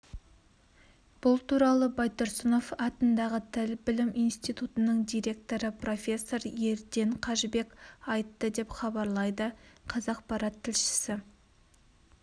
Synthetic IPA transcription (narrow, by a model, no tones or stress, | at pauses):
b̥ʊlˠt̪ʰuɾɑlˠəbɑjt̪ʊɾsəno̞fɑt̪ənd̪ɑʁət̪ʰɪlbɪlɪmijnst̪ijt̪ut̪ənəɴd̪ijɾe̞k̚t̪o̞ɾəpro̞fʲe̞sːo̞ɾje̞ɾd̪e̞ɴqʰɑʒbe̞kɑjt̪ːəd̪e̞pχɑbɑɾlˠɑjd̪əqʰɑzɑq̚pɑɾɑt̪ʰːɪlʃɪ̥sɪ